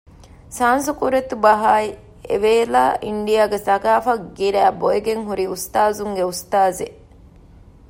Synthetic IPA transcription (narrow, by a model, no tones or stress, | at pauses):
saːnsukuɾet̪ubɐɦaːi | ḛʋeːlaːʔiɳɖijaːɡesɐkaːfɐkɡiɾæːboeɡeŋɦuɾiust̪aːzuŋɡeust̪aːze